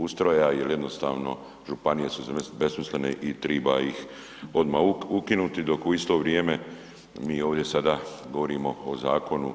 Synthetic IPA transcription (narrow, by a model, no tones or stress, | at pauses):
ust̪ɾojajelje̞d̪no̞st̪a̰ːʋno̞̰ | ʒupanije̞suzbesmislenḛʔit̪ɾiːbaix | o̞d̪maːuukinut̪id̪o̞kuist̪o̞ːʋɾjeːme̞ | miːo̞ːʋd̪je̞sad̪aːɡo̞ʋo̞ɾiːmo̞ːzaːko̞nu